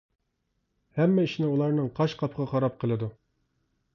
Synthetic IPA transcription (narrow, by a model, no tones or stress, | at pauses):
hɛmːɛiʃnɪulˠɑɾnɨŋqʰɑʃqʰɑpʰʁʰɑqʰɑɾɑp̚qʰəlˠɨd̪u